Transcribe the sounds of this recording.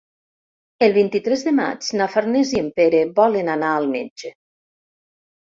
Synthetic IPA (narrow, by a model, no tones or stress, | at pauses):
əlˠβint̪it̪ɾɛzðəma̰d͡ʒnafaɾneziempeɾeβɔlenanaːlˠmḛd͡ʒe